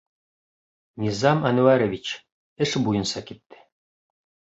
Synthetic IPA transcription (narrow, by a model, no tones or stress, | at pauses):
nʲizɑmænuæɾovʲit͡ɕ | ɘʃbujɤ̆nsɑkit̪ːɘ̥